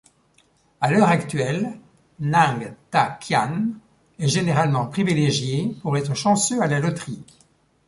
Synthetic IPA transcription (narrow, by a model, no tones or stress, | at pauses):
alœʁakt̪ɥɛlː | ɛ̃ɡt̪akʰjan | ɛʒeneʁalmɑ̃pχivileʒjepuʁɛt̪χəʃɑ̃søalalɔt̪χik